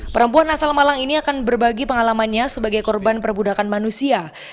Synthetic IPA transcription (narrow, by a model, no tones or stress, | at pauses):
pəɾəmpuanasalmalaŋiniakanbərbaɡipəŋalamanɲasəbaɡajkɔrbanpərbudakanmanusia